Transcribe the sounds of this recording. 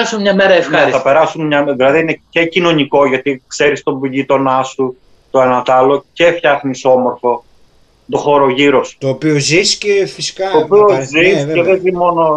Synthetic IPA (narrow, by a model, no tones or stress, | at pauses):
ɐsumɲɐmeɾɐefɐɾisɐpe̞ɾɐsunmɲɐðilɐðiinece̞cino̞niko̞ʝɐt̪ikse̞ɾist̪o̞biʎit̪o̞nɐsu | t̪oenɐt̪ɐlo̞ce̞fçɐxniso̞moɾfo̞ | t̪oxo̞ɾo̞ʝiɾo̞st̪oːpioziscefisi̥kɐoːpiozissce̞ðezimo̞no̞